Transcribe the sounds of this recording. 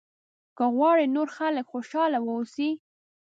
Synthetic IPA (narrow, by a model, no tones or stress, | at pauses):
kəɣwɑɽenoɾxaləkxoʃɑlawəusi